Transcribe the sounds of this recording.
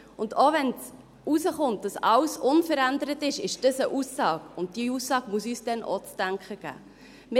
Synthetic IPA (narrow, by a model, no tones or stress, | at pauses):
ʊndoːʋɛnt͡s | usəχʊnt̚d̥ɑsɑwsʔʊnfəɾændəɾətɪʃɪʃd̥əsəʔusːɑːɡ̥ʊnt̚d̥iusːɑːɡ̥muəsyːsd̥ɛnʔo̰t͡stæŋkχəɡ̥æ̰ː | mɪ